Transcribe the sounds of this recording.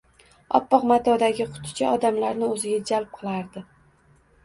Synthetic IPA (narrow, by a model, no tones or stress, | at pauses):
ɒ̰pːɒqmat̪ʰɒd̪aɡʲɪqʰʊ̥t̪ʰɪ̥t͡ʃʰaʔɒd̪amlaɾnɪɵzɪɡʲad͡ʒalp̚qʰɨlˠaɾd̪ɪ